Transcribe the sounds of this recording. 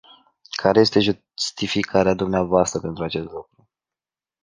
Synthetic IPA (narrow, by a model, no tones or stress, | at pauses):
kʰaɾe̞jest̪e̞ʒu | st̪ifikʰaɾead̪umneavoast̪ɾəpe̞nt̪ɾuat͡ʃe̞st̪lukɾu